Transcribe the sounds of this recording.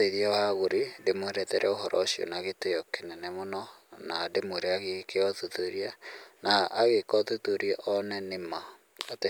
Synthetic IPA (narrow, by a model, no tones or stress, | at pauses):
teðjawaɣoɾidemoeɾɛðɛɾʔɛoɦɔɾʔɔ̰sio̰naɣeteɔkenɛnɛmonɔnademoɾeaɣekeɔðuðoɾianaaɣekɔðuðoɾjaʔɔnɛnema | ate